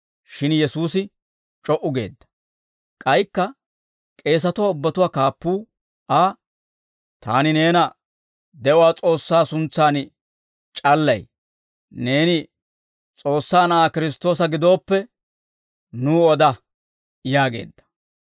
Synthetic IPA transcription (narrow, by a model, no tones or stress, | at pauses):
ʃɪnjɛsuːsɪ | t͡ʃʼɔʔʊɡe̞ːd̪ːɐ̥ | kʼɐjkːɐ | kʼe̞ːs̬ɐt̪ʊwaːʊbːɐt̪ʊwaːkaːpːuː | ʔaː | t̪aːnɪne̞ːnɐ | d̪ɛʔʊwaːt͡sʼo̞ːsːaːsʊnt͡sːaːn | t͡ʃʼɐlːɐj | ne̞ːnɪ | t͡sʼo̞ːsːaːnɐʔaːkɪɾɪst̪o̞ːs̬ɐɡɪd̪o̞ːpːɛ | nuːɔd̪ɐ | jaːɡe̞̰ːd̪ːɐ̥